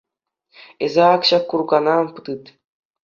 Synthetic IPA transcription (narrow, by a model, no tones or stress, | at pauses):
ezɑːkɕɑkːurɡɑnɑnpɯt̪ɯt̪